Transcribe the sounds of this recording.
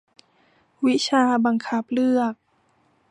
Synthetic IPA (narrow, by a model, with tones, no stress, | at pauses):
wi˦˥t͡ɕʰaː˧ba˧ŋkʰa˦˥p̚lɯ˥˩ək̚